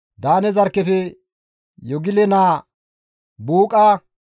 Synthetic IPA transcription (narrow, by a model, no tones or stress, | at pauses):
d̪aːnɛzɐɾkːɛfɛ | jɔɡɪlɛnaː | buːkʼɐ